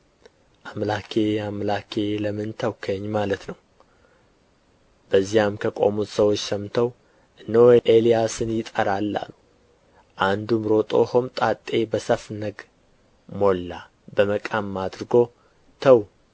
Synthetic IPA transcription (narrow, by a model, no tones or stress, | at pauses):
ʔamlakʰe̞amlakʰe̞ləmɨnt̪ʰəwkʰəɲːmalət̪nəw | b̥əzːijamkʰəkʼo̞̰mut̪səwot͡ʃːsəmt̪ʰəw | ʔɨnːowʔelijasɨnjɪt̪ʼəɾalːa̰lu | ʔand̪umɾo̞t̪ʼo̞homt̪ʼat̪ʼːe̞bəsəfnəɡ | mo̞lːa | bəməkʼamːad̪ɾɨɡo̞ | t̪ʰəw